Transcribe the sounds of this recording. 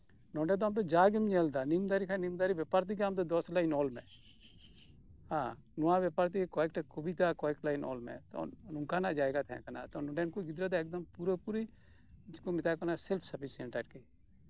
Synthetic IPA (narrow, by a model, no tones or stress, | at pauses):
nɔɖad̪ɔamt̪̬ɔd͡ʒaːɡimɲeld̪animd̪aɾikʰanimd̪aɾibɛpaːɾt̪̬ikeamt̪ɔd̪ɔslainɔːlmɛ̰̃ | hã | nɔwabjɛpaɾt̪ikekɔɛk̚ʈakubit̪akɔɛk̚ʈlainɔ̰ːlmɛ̰̃t̪ɔ̰nuŋkanaʔd͡ʒaːɛɡat̪ʰɛ̰̃kana̰t̪ɔnɔɖɛnkuɡɪd̪ɾad̪ɔɛk̚d̪ɐmpuɾəpuɾi | d͡ʒkomɪt̪akɔnasɛlpʰsɐpʰisɛɳʈaɖki